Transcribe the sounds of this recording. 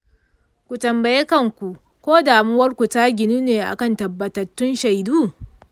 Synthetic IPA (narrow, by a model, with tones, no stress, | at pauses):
kʷu˨tɐ˨mbɐ˨je˦kɐ˦˨ŋkʷu˨ | kʷoː˦daː˨mɪ˦wɐ˦rkʷu˨taː˦ɡʲɪ˨nu˦neː˨ʔa̰˨kɐ˨ntɐ˨bːɐ˨tɐ˨tːʊ˦nʃa˨jduː˦